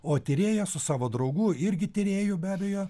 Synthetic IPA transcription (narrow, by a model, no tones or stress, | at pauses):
oːt̪ʲɪɾʲeːjɛsʊsɑːʋoːd̪ɾɐʊɡuːɪɾʲɡʲɪt̪ʲɪɾʲeːjʊbʲæːbʲɛjoː